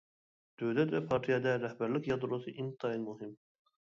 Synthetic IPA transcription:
d̪̥øvlɛt̪vɛpʰɑɾt̪ʰijɑd̪ɛɾɛhbæɾlɪkʲjɑd̪ɾosɨʔint̪ʰɑilmuɦɪm

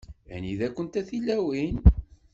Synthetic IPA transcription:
æ̰niðækʷːənt̪æθilːæwin

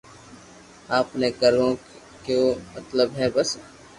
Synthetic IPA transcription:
aːpneɡəɾõ | kjomɐt̪ləbɦɛːbɐs

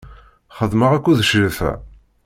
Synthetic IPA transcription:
χəðməʁækʷːuðəʃɾiθæ̰

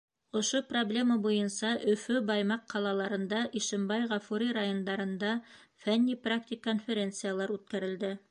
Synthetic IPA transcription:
ŏʃoproblʲe̞mɑbujɤnsɑʔɵ̆fɵbɑjmɑqʰːɑlˠɑlˠɑɾɤ̆nd̪ɑʔiʃɘ̆mbɑjʁɑfuɾʲiɾɑjo̞nd̪ɑɾɤ̆nd̪ɑ | fænʲːiprak̚t̪ʲɪkːonfʲeɾʲe̞nt̪sɨjalˠɑɾʉt̪̚kæɾɘ̆ld̪ɘ

